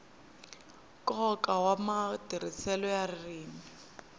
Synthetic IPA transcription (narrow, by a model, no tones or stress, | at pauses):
kʼɔkʼawamadirit͡sʰɛlɔjarɪriːmi